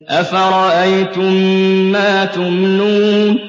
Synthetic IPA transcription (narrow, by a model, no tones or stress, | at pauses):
ʔafaɾˤɑʔajt̪ʊmːaːt̪ʊmnuː